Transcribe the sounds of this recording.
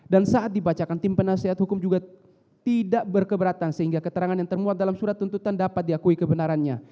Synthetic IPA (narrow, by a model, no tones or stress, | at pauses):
dansaʔat̪̚dibat͡ʃakant̪ɪmpənaseɦat̪hukʊmd͡ʒuɡa | t̪idaʔbərkəbəɾat̪ansəɦiŋɡakət̪əɾaŋanjaŋt̪ərmuat̪̚dalamsuɾat̪ːunt̪ut̪andapat̪̚diakuikəbənaɾanɲa